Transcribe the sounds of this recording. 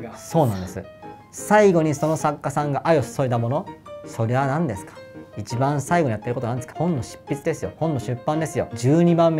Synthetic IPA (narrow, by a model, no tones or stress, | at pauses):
so̞ːnãnd̪e̞sɨ̰ | saiɡo̞ɲ̟iso̞no̞sakːasãŋɡaʔajo̞sɨ̥soit̪amo̞no̞so̞ɾe̞βanãnd̪e̞sɨ̥kḁit͡ɕibãɰ̃saiɡo̞ɲ̟ijat̪ːeɾkot̪oãnd̪esɨ̥kahõ̞nːo̞ɕi̥pʲːit͡sɨd̪e̞sɨjo̞̰hõ̞nːoɕɨpːãnd̪e̞sɨjo̞̰d͡ʑɨːɲ̟ibãmːe